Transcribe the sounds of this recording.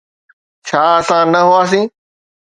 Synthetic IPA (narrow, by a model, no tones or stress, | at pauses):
t͡ɕʰaːəsãːnɐɦʊaːs̬ĩː